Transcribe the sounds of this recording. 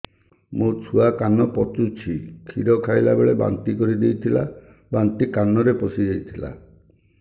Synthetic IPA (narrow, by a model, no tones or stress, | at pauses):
mot͡ʃʰuakanɔpɔt̪ut͡ʃʰikʰiɾɔkʰajlabeɭeba̰nt̪ikɔɾid̪ejt̪ʰila̰ | bant̪ikanɔɾepɔsid̪ejt̪ʰila̰